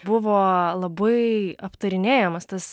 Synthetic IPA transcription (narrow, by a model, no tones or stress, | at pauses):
bʊʋoːlˠɐbɐɪɐpt̪ɐɾʲɪnʲeːjɛmɐst̪ɐs